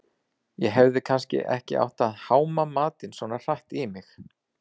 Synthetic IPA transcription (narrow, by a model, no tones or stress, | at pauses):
jɛɦɛvðɪkʰanscɪ̰ʔɛ̰hcɪʔa̰wht̪aðhaːwmamaːt̪ɪnsvɔːnar̥aht̪ɪmɪx